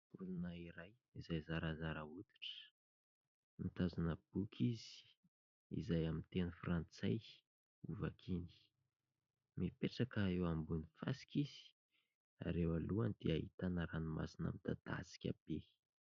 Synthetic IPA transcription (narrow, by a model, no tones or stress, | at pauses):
ulunəiɾaj | izajzaɾazaɾaut̪i̥ʈ͡ʂə̥ | nit̪azanəb̥ukʰizi̥ | ḭzajamint̪enəfrant͡saj | uvakʰini̥ | mipeʈ͡ʂakəewambunifa̰si̥kiz̥i̥ | a̰ɾewaluand̪̥eaɦit̪anəɾanima̰sina̰mid̪̥a̰d̪̥a̰si̥kʲa̰b̥e